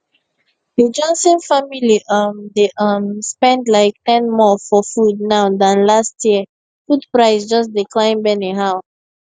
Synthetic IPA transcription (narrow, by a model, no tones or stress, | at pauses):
hid͡ʒɔ̃nsə̃nfamiliʔʌmdeʔʌmspɛ̃ndlaɪk̚tɛ̃nmɔfɔfud̚naʊdãnlastʰjiə | fudpɹaɪsd͡ʒʌsdiklãɪ̃nbɛneɦaʊ